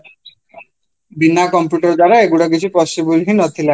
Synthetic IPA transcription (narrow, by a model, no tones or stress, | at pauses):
binakɔmpjuʈɔɾd̪aɾaeɡuɽɔk̬it͡ʃʰipɔsibulɦinɔt̪ʰila